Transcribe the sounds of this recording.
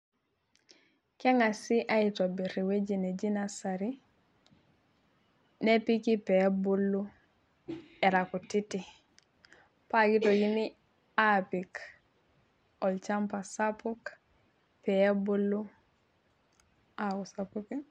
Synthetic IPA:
keŋasiʔaitobiɾiwed͡ʒined͡ʒinasaɾi | nepikipebulːu | eɾakutiti | paɡitoɡini | apik | ɔlt͡ʃampasapuk | peebulːu | akusapuki

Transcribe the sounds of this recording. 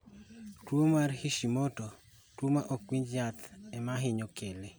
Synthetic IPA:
twomarhiʃimoto | twomaʔokwiɲd͡ʒjat̪ɛmaɦɪɲokele

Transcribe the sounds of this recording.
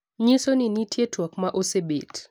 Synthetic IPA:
ɲɪsoninitjetwakmaʔosebḛt

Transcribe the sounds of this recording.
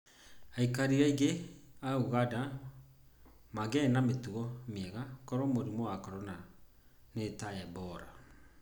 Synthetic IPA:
aikaɾiɾɛiɡeauɣada | maɡɛnametuɣɔmiɛɣakɔɾɔmoɾimɔwakɔɾɔna | netaɛbɔɾa

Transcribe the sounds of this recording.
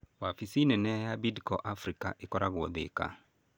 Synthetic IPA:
wafisinɛnɛjabidkɔʔafɾikaʔekɔɾaɣwɔðḛka̰

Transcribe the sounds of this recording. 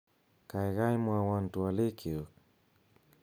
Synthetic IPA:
kajɣaimwawantualekʰeo

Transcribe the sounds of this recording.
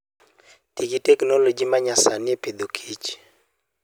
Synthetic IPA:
tikitɛknolod͡ʒimaɲasanɪeped̪okʰit͡ʃ

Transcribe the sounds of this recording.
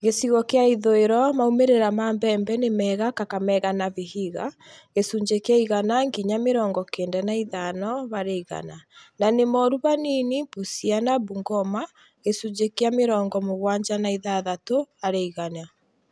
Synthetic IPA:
ɣesiɣɔkeaiðoeɾɔmaumeɾeɾamaːmbɛːmbɛnemɛːɣakakamɛɣanaβiɦiɣa | ɣesuɲd͡ʒekaiɣanaŋɡiɲameɾɔːŋɡɔkeːndɛnaiðanɔβaɾeiɣa̰nananemɔɾuβaninipusianabuŋɡɔma | ɣesuɲd͡ʒekeameɾɔːŋɡɔmoɣwaːɲd͡ʒanaiðaðatoaɾeiɣana

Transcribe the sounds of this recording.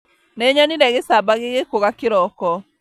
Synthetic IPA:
neɲaninɛɣesabaɣeɣekoɣakeɾɔkɔ

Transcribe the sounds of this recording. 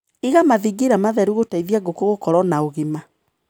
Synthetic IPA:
iɣamaðiɡeɾamaðɛɾuɣotaiðjaɡokoɣokɔɾɔnaoɣima

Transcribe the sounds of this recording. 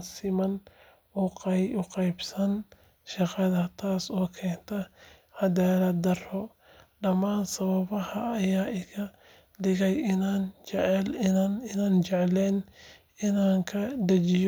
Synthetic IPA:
nsɪmɐn | ʊqʊqɑjbsɐn | ʃɑqɑðɐt̪ʰaːsɔːkʰɛːnt̪ʰɐ | hɐd̪ɛːlɐd̪ɐrɔ | ɖɐmaːnsɐβɐβɐhɐːjaːɪkʰɐ | dɪɣɛjɪnaːnt͡ʃɛʕɛlɪnaːnt͡ʃɛʕlɛːn | ɪnaːŋkʰɐd̪ɐt͡ʃɪj

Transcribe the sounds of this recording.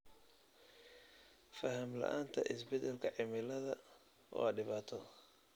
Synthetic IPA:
fɐɦɐmlɐ̰ʔaːnt̪ʰɐ̰ʔɪsbɛd̪ɛlkʰɐʕɪmɪlɐðɐ | ɔ̰ɖɪβaːt̪ʰɔ

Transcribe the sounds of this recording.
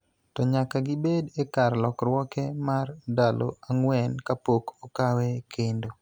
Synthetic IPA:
tɔɲakaɡɪbedekarlɔkrwɔkɛmardalo̰aŋwɛnkapokokawɛkʰendo

